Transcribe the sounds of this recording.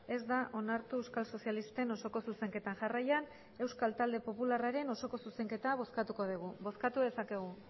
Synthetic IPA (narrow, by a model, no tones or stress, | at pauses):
e̞zd̪aʔo̞naɾt̪uewskalso̞sialist̪e̞no̞so̞ko̞suse̞ŋke̞t̪anʝarajan | e̞wskalt̪ald̪e̞po̞pularaɾe̞no̞so̞ko̞suse̞ŋke̞t̪aβ̞o̞skat̪uko̞ð̞iɣ̞ubo̞skat̪uðe̞sake̞ɣ̞u